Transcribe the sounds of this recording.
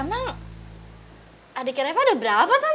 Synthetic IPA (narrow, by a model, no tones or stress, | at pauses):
maŋ | adikeɾafaːdabəɾapaka